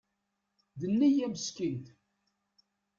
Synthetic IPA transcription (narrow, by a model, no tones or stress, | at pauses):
ðənːijæməskinθ